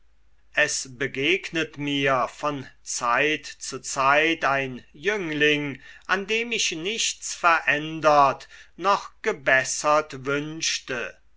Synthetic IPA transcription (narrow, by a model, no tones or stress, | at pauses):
ʔɛsbəɡeːknətmiːɐfɔnt͡saɪtt͡sut͡saɪtaɪnjʏŋlɪŋʔandeːmɪçnɪçt͡sfɛɐʔɛndɐtnɔχɡ̥əbɛsɐtvʏnʃtə